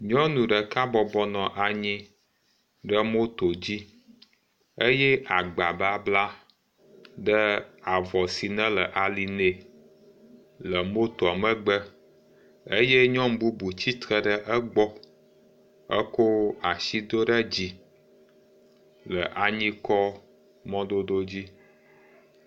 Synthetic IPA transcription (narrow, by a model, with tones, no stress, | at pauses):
ɲɔ̃˦nũ˨ɖə˨ka˦bɔ˨bɔ˦nɔ̃˨ʔa˨ɲĩ˦ | ɖə˦mo˦t̪o˨d͡ʑi˦ | e˦jɛ˦ʔa˨ɡ͡ba˨ba˦bla˦ | ɖə˦a˨vɔ˨si˨nə̃˦lə˨ʔa˨li˨ne˨ | lə˨mo˦t̪o˨a˨mə̃˦ɡ͡bə˦ | e˦jɛ˦ɲɔ̃˦m˦bu˦bu˨t͡ɕi˦t̪ɾə˨ɖə˨ʔə˦ɡ͡bɔ˦ | ə̰˦ko˦a˨ʃi˦d̪o˦ɖə˦d͡ʑi˦ | lə̰˨ʔa˨ɲĩ˦kɔ˦ | mɔ̃˦d̪o˦d̪o˦d͡ʑi˦